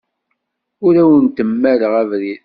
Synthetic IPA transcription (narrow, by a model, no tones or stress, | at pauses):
ʊɾæwənt̪əmːæɾəʁævɾil